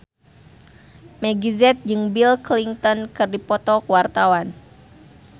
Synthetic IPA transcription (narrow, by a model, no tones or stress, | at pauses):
mɛɡizɛt̪̚d͡ʒɨŋbilkliŋt̪ɔnkɨrdipɔt̪ɔkwart̪awan